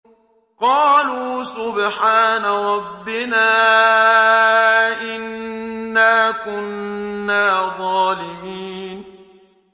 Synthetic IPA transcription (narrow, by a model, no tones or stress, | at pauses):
qɑːluːsʊbħaːnaɾˤɑbːɪnaː | ʔɪnː | aːkʊnːaːðˤɑːlɪmiːn